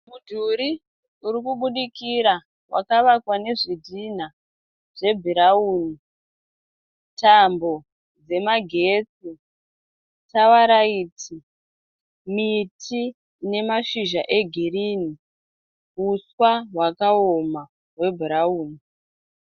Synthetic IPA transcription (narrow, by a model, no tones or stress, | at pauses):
mudʱuɾi | uɾikuɓuɗikiɾa | wʔa̰kaʋakwane̞ʐidʱin̤a | ʐe̞bʱiɾauːni | tambo̞ | d͡ze̞maɡʱe̞t͡si | tawaɾaitʰi | mitʰi | ne̞maʃiʒaʔe̞ɡʱiriːni | ɦuswawakaoma | we̞bʱiɾauːni